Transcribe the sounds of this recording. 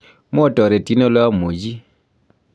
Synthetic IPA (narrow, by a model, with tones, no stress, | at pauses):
m˦ɔ˦˨tɔ˨ɾɛ˨ti˦nɔ˦lwa˦mo˨d͡ʒi˦